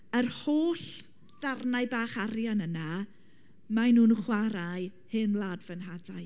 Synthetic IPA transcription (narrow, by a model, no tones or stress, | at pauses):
ərhoːɬ | ðarnaɨbaːχaɾjanəna | manuːnχwaɾajhɨnlˠaːdvənɦadaj